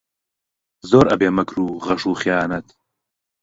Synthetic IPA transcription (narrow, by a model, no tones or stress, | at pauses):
zoːɾɐbeːmɐkʰɾuːʁɐʃuːχjaːnɐt̪